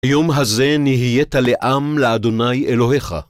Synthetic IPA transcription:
ajomɦaze̞niɦijet̪aleʔamlead̪o̞najelo̞ɦe̞χa̰

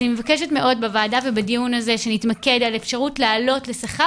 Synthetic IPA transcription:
nimevakeʃetme̞ʔo̞dbavaːdavebadijunazeʃenitmake̞dalefʃaʁutleːlo̞tle̞saχa

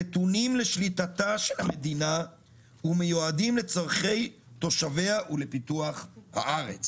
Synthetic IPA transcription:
etunimle̞ʃlitataʃelhamed̪ina | hume̞juadimle̞t͡saʁχe̞j | t̪o̞ʃaveaʔulepituaχha̰ʔaʁḛt͡s

